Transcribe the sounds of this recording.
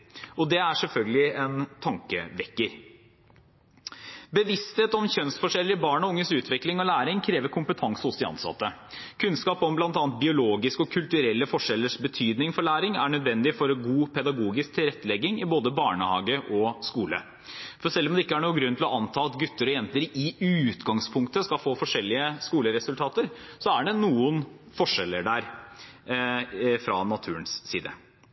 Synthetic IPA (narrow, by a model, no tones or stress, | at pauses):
ɔd̪ɛæʂɛlfœlɡəlɪɛnt̪ʰɑŋkə̰ʋɛkːəɾ | bəʋɪst̪heːt̪ɔmçœnst̪fɔʂɛlːəɾɪbɑːɳɔʊŋːəsʉːt̪ʰʋɪklɪŋɔlæːɾɪŋkʰɾeːʋəɾkʰʊmpət̪ʰɑŋsəhʊsd̪ɪɑ̰nsɑ̰t̪ːə | kʰʉnskɑːpɔmblɑnt̪ɑːnt̪̚bɪʊloːɡɪskɔkʰʉlt̪ʉɾɛlːəfɔʂɛlːəʂbət̪ʰyːd̪nɪŋfɔɭæːɾɪŋæ̰ɳœd̪ʋɛnd̪ɪfɔɾɡuːpʰɛd̪ɑɡuːɡɪsk̚t̪ʰɪlɾɛt̪ːəlɛɡːɪŋɪboːd̪əbɑːɳəhɑ̰ːɡəʔɔskuːlə̰ | fɔʂɛlːɔmd̪ɛɪkːəæɳuːəɡɾʉnt̪ɪlɔʔɑnt̪ʰɑːɑt̪ɡʉt̪ːəɾɔjɛnt̪əɾɪʉːt̪ɡɑŋspʰʊŋkt̪əskɑfoːfɔʂɛlːɪəskuːləɾɛsʉlt̪ʰɑːt̪əɾsɔæɖɛnuːən | fɔʂɛlːəɖæɾ | fɾɑ̰nɑt̪ʰʉːɾənsːḭːd̪ə̰